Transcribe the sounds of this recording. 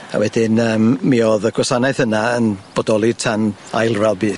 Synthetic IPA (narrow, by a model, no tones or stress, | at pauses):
a̰wɛdɪnəːmːiɔðəɡʰwɛsanɛθənaənb̥ɔdɔlˠɪtʰana̰jlˠvɛlˠbiːd